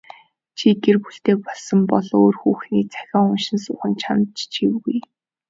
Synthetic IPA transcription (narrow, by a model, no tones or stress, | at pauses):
t͡ɕʰiɡerpuɬt̪eːk̚pɔɮsə̆mpɔɮoːrxuːxniːt͡sʰæ̥xʲɔːŋʊnʃɪ̆nsʊːχə̆nt͡ɕʰamt͡ɕt͡ɕʰiwɣuj